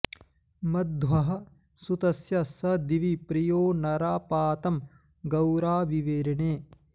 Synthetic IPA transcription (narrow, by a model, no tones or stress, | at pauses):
mɐd̪ʋɐɦɐ̆ | sut̪ɐsjɐsɐd̪iʋipɾijoːnɐɾaːpaːt̪ɐm | ɡɐwɾaːʋiʋeːɾɐneː